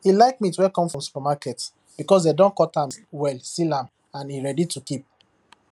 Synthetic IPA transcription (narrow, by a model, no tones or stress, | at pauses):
hilaɪk̚mituwɛkɔ̃mfɹɔ̃msu̥pamakɛt | b̥ikɔs̬dedɔ̃nkɔtãmwɛlstilãm | ãniɹɛditukip̚